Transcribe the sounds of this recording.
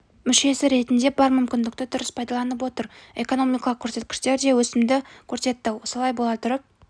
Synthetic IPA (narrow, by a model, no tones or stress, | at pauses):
mʏʃe̞sɪɾe̞t̪ɪnd̪e̞bɑɾmʏmkʲɪnd̪ɪkt̪ɪt̪ʰʊɾɪspʰɑjd̪ɑlˠɑnəp̬wo̞t̪əɾe̞ko̞no̞mijkɑlˠəqkʲʰɵɾse̞t̪̚kʲɪ̥ʃt̪e̞ɾd̪e̞wɵsɪmd̪ɪkʲʰɵɾse̞t̪ːɪwo̞səlˠɑjbolˠɑt̪ʰʊɾəp̚